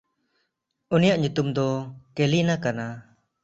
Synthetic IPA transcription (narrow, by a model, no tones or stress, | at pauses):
unijaʔɲut̪umd̪ɔkelinakana